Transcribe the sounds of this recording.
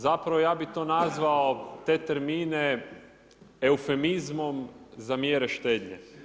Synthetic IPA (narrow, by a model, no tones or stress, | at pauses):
zapɾaʋojaːbit̪o̞ːnazʋaot̪e̞t̪eɾmiːne | eufe̞mizmo̞mzamjeɾeʃt̪e̞ːd̪ɲḛ